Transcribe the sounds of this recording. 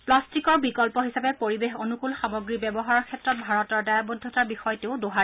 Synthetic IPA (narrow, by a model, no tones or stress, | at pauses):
plastikɔɹbikɔlpɔɦisapɛpoɹibexonukulxamɔɡɹibɛbɔɦaɹɔɹkʰɛtɹɔt̚bʱaɹɔtɔɹdajabɔdʱːɔtaɹbixɔjteʊdoɦa